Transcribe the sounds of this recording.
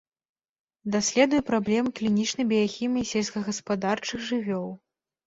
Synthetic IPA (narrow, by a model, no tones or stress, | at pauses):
d̪asʲlʲɛd̪ujɛpɾablʲɛmɨklʲinʲit͡ʂnɐjbʲɛjaxʲimʲɐjsʲɛlʲskɐɣɐspad̪art͡ʂɨɣʐɨvʲɔw̪ˠ